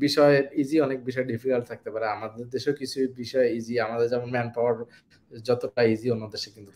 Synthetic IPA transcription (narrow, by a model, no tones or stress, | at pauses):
biʃɔeid͡ʑiɔnek̚biʃɔeɖifikalt̪ʰak̚t̪epaɾeamad̪eɾd̪eʃeokit͡ɕʰubiʃɔeid͡ʑiamad̪eɾd͡ʑɛmonmɛnpɔaɾ | d͡ʑɔt̪oʈaid͡ʑionːod̪eʃekint̪u